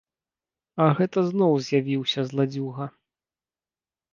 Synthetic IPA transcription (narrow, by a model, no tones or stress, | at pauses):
ɐɣɛt̪ɐznɔwzʲjavʲiwsʲɐzlˠad͡zʲuɣɐ